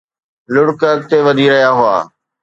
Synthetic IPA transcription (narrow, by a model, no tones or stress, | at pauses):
lʊɽkət̪eʋɐd̪ʱiɾɐɦijaɦʊa̰ː